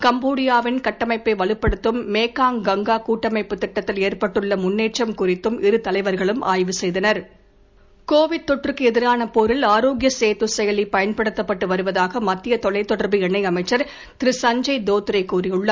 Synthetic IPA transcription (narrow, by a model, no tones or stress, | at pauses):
kɐmboːɽɪjaːʋɪnkɐʈːɐmɐɪpːeʋɐɭɯpːɐɽɯt̪ːɯmːeːkaːŋɡɐŋɡaːkuːʈːɐmɐɪpːɯt̪ːɪʈːɐt̪ːɪleːrpɐʈːɯɭːɐmʊnːeːʈt͡ʃɐmkʊrɪt̪ːɯmɪɾɯt̪ɐlɐɪʋɐɾɣɐɭɯmʔa̰ːjʋɯsɛjðɐnɐɾ | koːʋɪɖ̚t̪ɔʈrɯkːɯɛðɪɾaːnɐpoɾɪlaːɾoːɡjɐseːt̪usɛjɐlipɐjɐnpɐɽɯt̪ːɐpːɐʈːɯʋɐɾɯʋɐðaːɣɐmɐt̪ːɪjɐt̪ɔlɐɪt̪ɔɽɐɾbiɛɳːɐɪɐmɐɪt͡ʃːɐɾ | t̪ɪɾɪsɐɲd͡ʒɐɪd̪oːt̪ːɯɾɐɪkːuːrɪjɯɭːɐ